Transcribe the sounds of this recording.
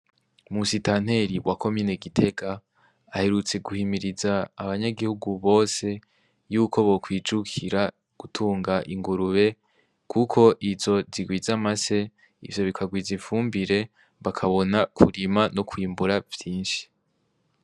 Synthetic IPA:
musitan̥he̞ɾiwako̞miːne̞ɡitʰe̞kaː | he̞ɾut͡se̞ɡuhimiɾizaːβaɲaɡihuɡuβo̞ːse̞ | juːko̞βo̞kwiːd͡ʒukʰiɾa | ɡ̥utʰuːŋɡaʔiŋɡuɾuβe̞ | kʰukʰo̞ʔizo̞ziɡwiːzamase̞ | ḭvjo̞βikʰaɡwiːziɱfuːmbiɾe̞ | βakʰaβo̞nakʰuɾimanokwiːmbuɾav̥jiːnʃi̥

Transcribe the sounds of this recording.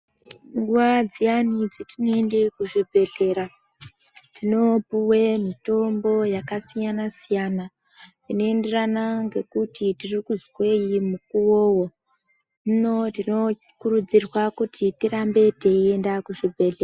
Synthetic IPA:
ŋɡuwad͡zianid͡zetinoende̞kuʐibʱe̞ɮe̞ɾa | tino̞puwe̞mito̞mbo̞jakasijanasijana | nino̞e̞nde̞ranaŋɡe̞kutitirikuzwe̞jimukuwowo | mno̞tino̞ | kuɾud͡zirwakutitirambe̞te̞ie̞ndakuʐibʱe̞ɮea

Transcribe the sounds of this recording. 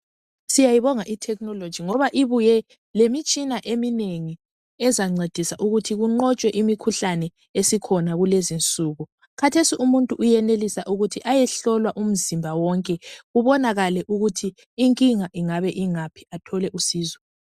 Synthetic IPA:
sijajiβɔŋaʔitʰɛk̚nɔlod̥d͡ʒ̥ʱiŋɔβaʔiβujɛ | lemit͡ʃʼinaʔemineŋi | ɛzaŋ͡ǀed̥ʱisaʔuɣutʰiɣuŋ͡ǃɔt͡ʃʼwɛʔimikʰuɬanɛ | esikʰɔnaɣulezint͡sʼuɣu | kʰatʰesiumuntʼuʔujɛnelisaʔuɣutʰiʔajɛɬɔlwaʔum̩zimbʱawɔŋkʼɛɣuβɔnaɣalɛʔuɣutʰiː | ŋkʼiŋaʔiŋaβɛʔiŋapʰi̥atʰɔlɛʔusiːzɔ

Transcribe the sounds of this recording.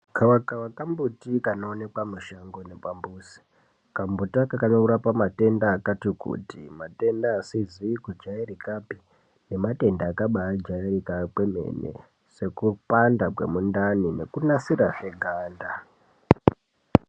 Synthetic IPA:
kawakawakambutikanoone̞kwamuʃaŋɡonepambuːsi̥ | kambutakakanouɾapamate̞ndaːkatikṵtimate̞ndaːsiziikud͡ʒaerikapi | ne̞mate̞ndaːkaɓaad͡ʒaerikakweme̞̰nḛ | se̞kupandakwḛmundanine̞̰kunasiɾaʂeɡʱaːnda

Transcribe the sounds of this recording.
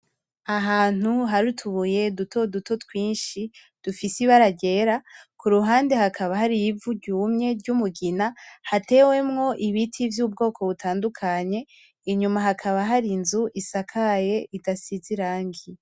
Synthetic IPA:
aɦaːn̥uɦaɾutʰuβuje̞dutʰo̞duto̞twiːnʃi | d̥ufisiβaɾaɟe̞ɾakuɾuɦaːndehakʰaβaɦaɾijivuɟuːmɲe̞ɾɟumuɡinahate̞we̞mŋo̞ʔiβitʰivjuːbɡo̞ːkʰo̞βutʰaːndukʰaɲe̞ | iɲumaɦakʰaβaɦaɾinzuʔisakʰaje̞ʔitasiziɾaːŋɡi

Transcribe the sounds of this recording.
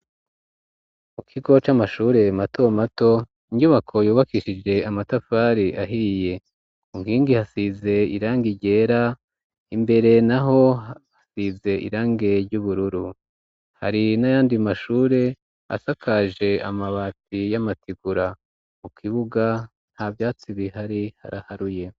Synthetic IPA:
mukʰiɡo̞t͡ʃamaʃuːɾe̞mato̞mato̞ | iɲɟuβakʰo̞juːβakiʃid͡ʒe̞amatafaːɾiʔaɦije̞ | uŋɡiːŋɡihasize̞ḭɾaːŋɡiɟe̞ːɾa | imbe̞ɾe̞naɦo̞asize̞ʔḭɾaːŋɡe̞ɾɟuβuɾuɾu | ha̰ɾinajaːndimaʃuːɾe̞ | a̰sakʰaʒe̞a̰maβatijamatiɡuɾa | mukʰiβuɡa | n̥havjaːt͡siβihaɾiha̰ɾahaɾuje̞

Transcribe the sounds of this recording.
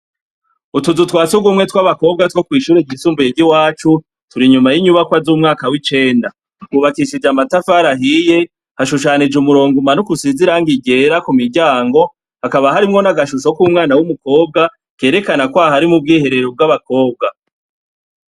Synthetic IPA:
utuzutwaːt͡suɡumŋe̞twaβako̞ːb̚ɡatwo̞kwiːʃuːɾeɟisuːmbujeɟiwaːt͡ʃu | tuɾiɲumajiɲuβakwazuːmŋaːkawit͡ʃe̞ːnda | uβakiʃid͡ʒamatafaɾaɦije̞ | haʃuʃ̬aːnid͡ʒumuɾo̞ːŋɡumanukusiziɾaŋɡiɟe̞ɾakumiɾɟaːŋɡo̞ | hakaβaɦaɾimŋo̞naɡaʃuso̞kuːmŋaːnawumuko̞ːb̚ɡa | ke̞ːɾe̞kanakwaɦaɾimub̚ɡiːhe̞ɾe̞ɾob̚ɡaβako̞ːb̚ɡa

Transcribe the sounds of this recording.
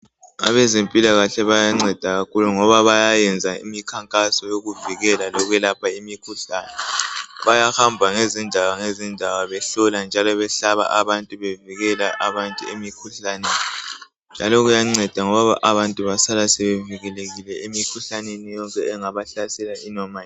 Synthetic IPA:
a̰βɛzempʼilaɣaɬɛβajaŋ͡ǀɛd̥ʱaɣakʰuluŋɔβaβajajɛnd͡zʱaḭmikʰaŋkʼasɔjoɣuviɣɛlalɔɣwɛlapʰaimikʰuɬaːnɛβajahambʱaŋezindʱawaŋezindʱawaβɛɬɔland͡ʒʱalɔβɛɬaβa̰ʔaβantʼuβeviɣɛlaʔaβantʼṵemikʰuɬaneni | nd͡ʒʱalɔɣujaŋ͡ǀɛd̥ʱaŋɔβaβa̰ʔaβantʼuβasalasɛβeviɣɛleɣilɛemikʰuɬanenijɔŋkʼɛɛŋaβaɬasɛlainɔma

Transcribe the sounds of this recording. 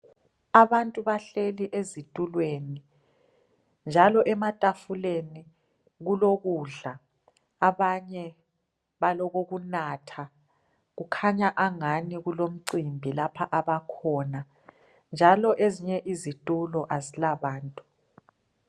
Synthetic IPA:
aβantʼuβaɬeliʔezitʼulweni | nd͡ʒʱalɔʔɛmatʼafuleni | ɣuloɣuɮa | aβaɲɛ | βalɔɣoɣunaːtʰa | ɣukʰaɲaʔaŋaniɣulom̩ǀimbʱilapʰaʔaβakʰɔːna | nd͡ʒʱalɔʔeziɲɛʔizitʼulɔʔazilaβaːntʼu̥

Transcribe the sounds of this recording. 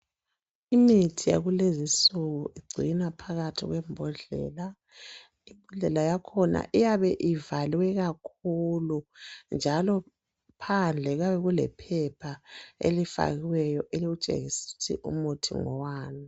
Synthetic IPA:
imitʰija̰ɣulezisuɣuʔiɡ͡ǀʱinapʰaɣatʰḭɣwɛmbʱuɮɛ̰ːla | imbʱuɮɛlajakʰɔna̰ʔijaβɛʔivaliwɛɣakʰulund͡ʒʱalɔ | pʰand͡ɮʱɛɣaβɛɣulɛ̰pʰɛpʰaḛlifa̰ɣiwɛjɔʔeliɣut͡ʃʼḛɣisi̥tʰḭʔṵmutʰḭŋɔ̰waːni

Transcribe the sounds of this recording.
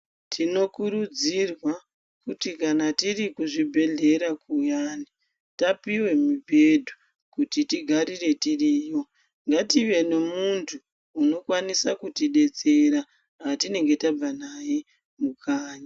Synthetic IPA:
tʰino̞kuɾud͡zirwa | kutikanatirikuʐibʱe̞ɮe̞ɾakujaːni | tapiwe̞mibʱedʱu | kutitiɡʱaɾire̞tiriːjo̞ | ŋɡatiʋe̞ne̞muntʰuː | no̞kwanisakutiɗe̞t͡se̞ɾa | ɦatine̞ŋɡe̞tab͡vanaje | mukʰaːɲa

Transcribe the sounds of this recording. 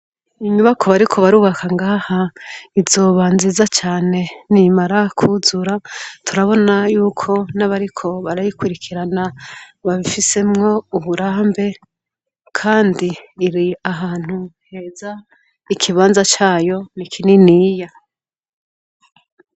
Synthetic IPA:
iɲuβakʰo̞βaɾikʰo̞βaɾuːβakaŋɡaːhaizo̞ːβaːnzizat͡ʃaːne̞nimaɾakʰuzuɾatʰuɾaβo̞najuːkʰo̞naβaɾikʰo̞βaɾajikwuɾikʰiɾanaβaβifise̞mŋo̞uβuɾaːmbe̞ | kʰaːndiːɾiaɦaːn̥huhe̞ːza | ikʰiβaːnzat͡ʃaːjo̞nikʰininiːja

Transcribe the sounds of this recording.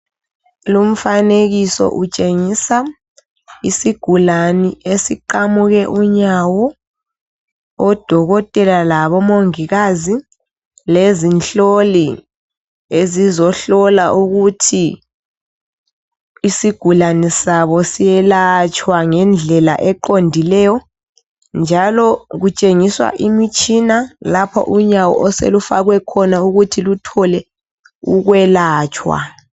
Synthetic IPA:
lum̩faneɣisɔ̰ʔut͡ʃʼeŋisa | isiɡ̥ʱulaniesiǃamuɣɛʔuɲawɔ | d̥ʱɔɣɔtʼɛlalaβɔmoŋiɣazi | lezinɬʼoli | ezizɔɬɔlaʔuɣutʰi | siɡ̥ʱulanisaβɔsiɛlat͡ʃʼʰwaŋɛnd͡ɮʱɛla̰ʔɛǃondʱilɛjɔ | nd͡ʒʱalɔɣut͡ʃʼeŋiswa̰ʔimit͡ʃʼʰinalapʰɔ̰ʔuɲawɔ̰ʔɔsḛlufaɣwɛkʰɔnauɣutʰilutʰɔlɛ | uɣwɛlaːt͡ʃʼwa̰

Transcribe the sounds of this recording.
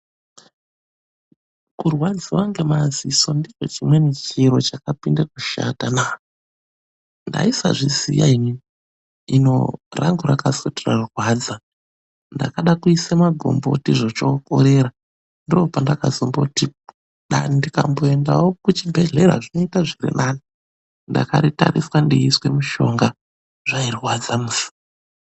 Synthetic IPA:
kurwad͡ziwaŋɡe̞maziso̞ndit͡ʃo̞̰t͡ʃimwe̞net͡ʃiɾo̞t͡ʃakapindakuʃa̰tana | nda̰isa̰ʐisḭja̰ini | ino̞̰ra̰ŋɡuɾakasotirarurwaːd͡za | nda̰kaɗakuisamaɡʱo̰mbotiʐot͡ʃokoɾe̞ɾa | ndiropandakazombokuti | ɗanndikamboenda̰wokut͡ʃibʱe̞ɮe̞ɾa̰ʐino̞itaʐirḭnʔaːni | nda̰kaɾitaɾiswandiiswe̞muʃo̞ŋɡa | ʐairiwad͡zamusi̥

